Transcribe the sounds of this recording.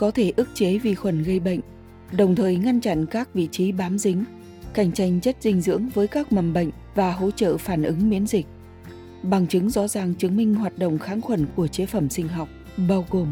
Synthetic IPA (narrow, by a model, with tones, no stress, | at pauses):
kɔ˨˦t̪ʰe˧˩ʔɨ˦˥k̚t͡ɕe˨˦vḭ˨˩xwə˧˩nɣə˧jɓə̰˧˨jŋ̟ | ɗə˨˩wŋ͡mt̪ʰəː˨˩jŋa˧nt͡ɕa̰˧˨nkaː˦˥k̚vḭ˧˨t͡ɕi˨˦ɓaː˨˦mzï˨˦ŋ̟ | ka˧˩jŋ̟t͡ɕa˧jŋ̟zə˦˥t̚zï˧ŋ̟zɨ̰˧˥əŋvəː˨˦jkaː˦˥k̚mə˨˩mɓə̰˧˨jŋ̟vaː˨˩ɦo̰˧˥t͡ɕə̰ː˧˨faː˧˩nʔɨ˨˦ŋmi˨˦ənzï˨˩k̟̚ | ɓa˨˩ŋt͡ɕɨ˨˦ŋzɔ̰˧˥zaː˨˩ŋt͡ɕɨ˨˦əŋmï˧ŋ̟ɦwaː˨˩t̚ɗə̰˧˨wŋ͡mxaː˨˦nxwə˧˩nku˧˩ət͡ɕe˨˦fə˧˩msï˧ŋ̟ɦɔ˨˩wk͡p̚ | ɓaː˧wɣo˨˩m